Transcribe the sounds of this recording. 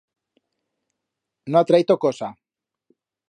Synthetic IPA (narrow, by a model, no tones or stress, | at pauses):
noat̪ɾait̪okosa